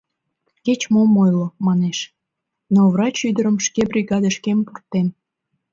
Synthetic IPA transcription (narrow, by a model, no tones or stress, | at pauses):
ket͡ɕmomojlomɑneʃ | novrɑt͡ɕyd̪əɾəmʃkebrʲiɣɑd̪əʃkempurt̪ːen